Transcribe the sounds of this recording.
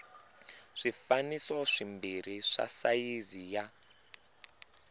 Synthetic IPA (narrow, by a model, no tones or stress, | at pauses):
ʂifanisɔʂimbiɾ̤iʂa̰sajizija